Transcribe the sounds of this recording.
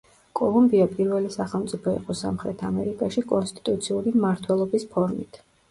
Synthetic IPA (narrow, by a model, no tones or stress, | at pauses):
kʼɔlˠumbiapʼiɾvɛlisaχɛlˠmt̪sʼipʰɔḭqʼɔsa̰mχɾɛt̪ʰamɛɾikʼaʃikʼɔnst̪ʼi̥t̪ʼut̪sʰiuɾimmaɾt̪ʰwɛlˠɔbispʰɔɾmḭt̪ʰ